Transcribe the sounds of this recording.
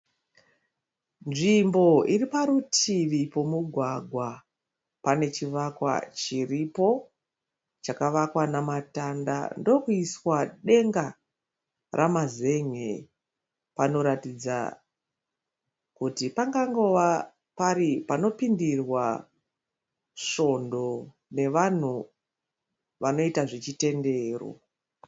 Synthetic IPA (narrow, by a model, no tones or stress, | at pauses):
nʐimbo̞iripaɾutʰiʋipo̞muɡʱwaɡʱwa | pane̞t͡ʃiʋakwa̰t͡ʃiripo̞ | t͡ʃakaʋakwanamatanda̰ndo̞kuiswaɗe̞ŋɡa | rʔamaze̞ŋe | pano̞ɾatid͡za̰ | kutipaŋɡaŋɡo̞ʋa | paɾipano̞pindirwa | ʃo̞ndo̞ | ne̞ʋan̤u | ʋano̞itaʐet͡ʃite̞nde̞ːro̞̰